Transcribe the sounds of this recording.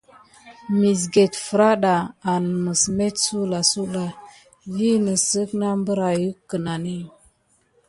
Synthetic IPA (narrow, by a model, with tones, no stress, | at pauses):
mi˨s̬ɡe˨tfə˨ɾa˦ɗa˨a˨n˨mə˨sme˦tsu˦la˨su˦la˨ | vi˦nə˨sə˦kna˦mbə˦ɾa˨ju˦kːə˨na˨ni˦